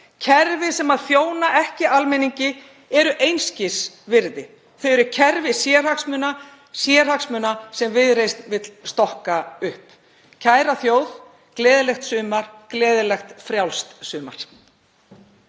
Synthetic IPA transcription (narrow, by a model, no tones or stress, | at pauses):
cʰɛɾvɪsɛmaðθjoːwnaʔɛhcɪalmɛniɲcɪ | ɛɾʏʔejnscɪs | vɪɾðɪ | θejɛɾʏcʰɛɾvɪsjɛːr̥aksmʏna | sjɛɾ̥haksmʏnasɛmvɪðɾejst̪vɪt̪lst̪ɔhkaʏhp | cʰaːjɾaθjoːwð | klɛːðɪlɛxt̪sʏːmaɾ̥klɛːðɪlɛxt̪fɾjawlst̪sʏːma̰ɾ̥